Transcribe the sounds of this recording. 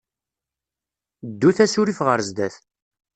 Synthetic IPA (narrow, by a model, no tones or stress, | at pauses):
d̪ːuθæsʊɾifʁəɾzd̪æθ